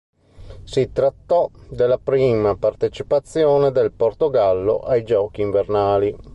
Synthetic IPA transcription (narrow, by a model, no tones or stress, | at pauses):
sit̪ɾat̪ːɔd̪elːapɾiːmapart̪et͡ʃipat̪sːjoːned̪elport̪oɡalːo̰ʔajd͡ʒɔːkiːɱvernaːli